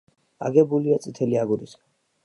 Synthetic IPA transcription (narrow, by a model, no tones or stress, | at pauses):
a̰ɡɛbuliat̪sʼit̪ʰɛliaɡuɾis